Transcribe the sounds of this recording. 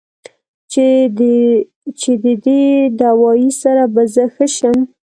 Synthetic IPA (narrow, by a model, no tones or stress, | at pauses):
t͡ʃed̪əd̪ed̪awɑjisaɾabazəxəʃəm